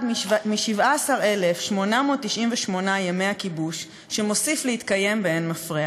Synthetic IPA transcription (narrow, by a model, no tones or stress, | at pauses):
dmiʃivʔaːsaʁele̞fʃmo̞namoːt̪ːiʃʔimveʃmo̞najeme̞jakibuʃː | e̞mo̞siflehit̪kaje̞mbeenmafʁia